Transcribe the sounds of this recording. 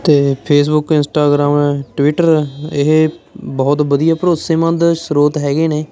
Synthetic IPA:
t̪eːpʰeːs̬bʊkɪnsʈaːɡɾaːmɛːʈʋɪʈəɾɪɦbɔːt̪bəd̪ijaːpɾoːseːmə̃nd̪sɾoːt̪ɦɛːɡeːneː

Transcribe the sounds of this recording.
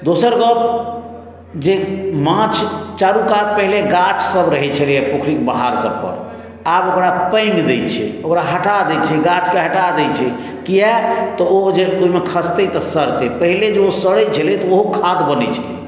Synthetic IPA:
d̪osəɾɡəp̚ | d͡ʒemãt͡ʃʰt͡ʃaɾukat̪̚pəɦileɡat͡ʃsəbɾəɦɛt͡ʃʰəlijɛpokʰɾik̚bəɦaɾsəbpə̰ɾ | abokɾapə̃jŋɡd̪ejt͡ʃʰɛ̰okɾaɦəʈad̪ɛt͡ʃʰɛɡat͡ʃkeɦəʈad̪ɛjt͡ʃʰɛ | kiɛt̪ɔod͡ʒeoimekʰəst̪ɛt̪əsəɾt̪ɛpəɦiled͡ʒeosəɽɛt͡ʃʰəlɛt̪ɔoɦokʰat̪bənɛt͡ʃʰɛ

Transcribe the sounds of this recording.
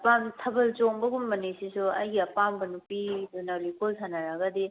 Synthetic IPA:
pamtʰɐbɐlt͡ʃoŋbɐɡumːɐnesisuɐ̰jɡiɐpambɐnupizunawlikolsʰanaɾaɡɐdi

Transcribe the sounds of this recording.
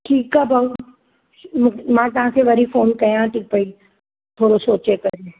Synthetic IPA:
ʈʰiːkaːba | mmãːt̪ɐɦãkʰeʋɐɾifoːnkɐjãʈʰiːk̚pɐi | t̪ʰoːɽosoːt͡ʃekɐɾi

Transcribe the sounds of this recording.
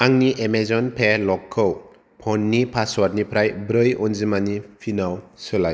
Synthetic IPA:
aŋniʔemezɔnpʰelɔkʰːɯw | pʰɔnːipʰaswaɾnipʰɾajbɾɯjɔnzimanipʰinawsɯlaj

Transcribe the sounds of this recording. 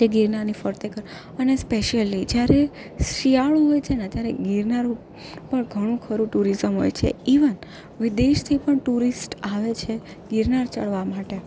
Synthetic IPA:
d͡ʒeɡiɾnaɾnifəɾt̪ekəɾ | ənespeʃəlːid͡ʒjaɾe | sɾijaɭõɦojt͡ʃʰenat̪jaɾeɡiɾnaɾo | pəɳɡʱəɽ̃ũkʰəɾũʈuɾizəmɦo̰jt͡ʃʰḛiʋən | ʋɪd̪eʃt̪ʰipəɳʈuɾisʈaʋet͡ʃʰe | ɡiɾnaɾt͡ʃəɭʋamaʈe

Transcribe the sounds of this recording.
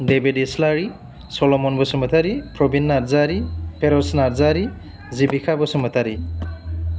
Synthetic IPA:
debedislaɹi | sɔlɔmɔnbɔsumatʰaɾipɹɔbinːaɾzaɾipeɾɔsnaɾzaɾi | zibikʰabɔsumatʰaɾi

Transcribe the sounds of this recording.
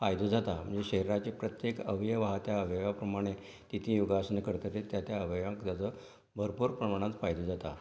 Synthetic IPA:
fajd̪ud͡zat̪am̤ə̰ɳd͡zeɕeɦɾat͡ɕipɾət̪jekəʋjəʋaɦat̪jaəʋjʋapɾəmaɽ̃e | t̪it̪ʰĩjuɡasənkəɾt̪ət̪et̪jat̪jaəʋjʋãkd̪at͡sə | bʱəɾpuːɾpɾəmaɽ̃at͡s̪fajd̪ud͡zat̪a

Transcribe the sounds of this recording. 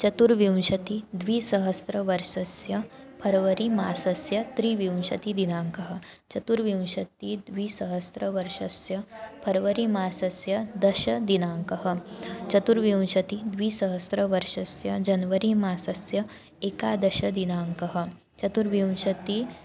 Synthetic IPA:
t͡ʃɐt̪uɾʋjiw̃ʃɐt̪id̪ʋiːsɐɦɐst̪ɾɐʋɐɾʂɐsjɐpʰɐɾʋɐɾimaːsɐsjɐt̪ɾiːʋjiw̃ʃɐt̪id̪inaːŋkɐɦə̆t͡ʃɐt̪uɾʋjiw̃ʃɐt̪ːid̪ʋiːsɐɦɐst̪ɾɐʋɐɾʂɐsjɐpʰɐɾʋɐɾimaːsɐsjɐd̪ɐʃɐd̪inaːŋkɐɦə̆t͡ʃɐt̪uɾʋjiw̃ʃɐt̪id̪ʋiːsɐɦɐstɾɐʋɐɾʂɐsjɐd͡ʒɐnʋəɾimaːsɐsjɐ | ekaːd̪ɐʃɐd̪inaːŋkɐɦə̆ | t͡ʃɐt̪uɾʋjiw̃ʃɐt̪i

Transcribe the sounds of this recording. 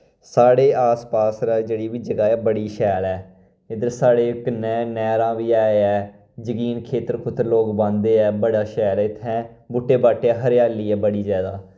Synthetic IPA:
saːɽeːaːspaːsɾaːd͡ʒeːɽiːʋiːd͡ʒəɡaːɛːbəɽiːʃɛːlɛː | ɪd̪əɾsaːɽeːɪknɛːnɛːɾãːʋiːaːeɛː | d͡ʒəkiːnkʰeːt̪əɾkʰʊt̪ːəɾloːkbãːnd̪eːɛːbəɽaːʃɛːlɛːɪt̪ʰːɛ̃ː | bʊʈːeːbaːʈeːɛːɦəɾjaːliːɛːbəɽiːzɛːd̪aː

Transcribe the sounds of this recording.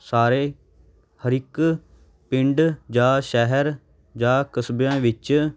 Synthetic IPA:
saːɾeː | həɾɪk | pɪ̃ɳɖd͡ʒãːʃɛɦɛɾ | d͡ʒãːkəsbjãːʋɪt͡ʃ

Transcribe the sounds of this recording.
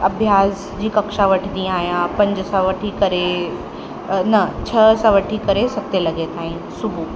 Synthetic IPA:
ɐbʱjaːs | d͡ʑiːkɐkʃaʋɐʈʰd̪iaːjãpɐ̃ɲd͡ʑsãʋɐʈʰikɐɾe | nɐt͡ɕʰɐsãʋəʈʰikəɾesɐk̚t̪elɐɡet̪aːɦĩnsubʱu

